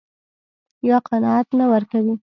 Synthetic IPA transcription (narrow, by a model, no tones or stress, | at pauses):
jɑqanɑat̪nawəɾkawi